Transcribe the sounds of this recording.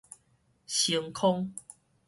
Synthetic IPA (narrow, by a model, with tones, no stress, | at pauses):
ɕi˨˧əŋkʰɔ˦ŋ